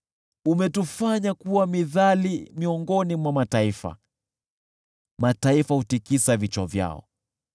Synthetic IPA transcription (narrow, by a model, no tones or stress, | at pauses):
umɛtufaɲakuwamiðalimiɔŋɡɔnimwamataifa̰ | mataifahutikisavit͡ʃɔvja̰ɔ̰